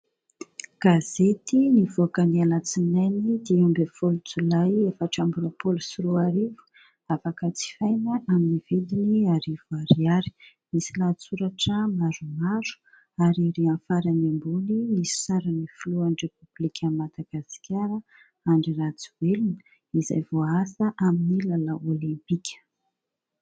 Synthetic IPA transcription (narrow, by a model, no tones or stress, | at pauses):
ɡ̥azet̪inivokənialat͡sinajnid̪iambefolut͡sulajefaʈ͡ʂambuɾapolusiɾuaɾivu̥ | afakət͡si̥fajnaʔaminivid̪iniaɾivuaɾiaɾi̥ | misilat͡suɾaʈ͡ʂəmaɾumaɾu̥ | aɾiɾiãnfaɾanimbunimisi̥saɾanifuluanrepublikʲʰəmad̪aɡaskʰʲaɾə | aɳɖ͡ʐiɾat͡suwelunə | iza̰jvoasəʔaminilalaolĩmpikʲʰə̥